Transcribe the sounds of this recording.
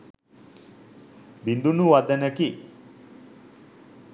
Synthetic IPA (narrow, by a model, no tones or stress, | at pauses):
bind̪unuʋad̪ənəki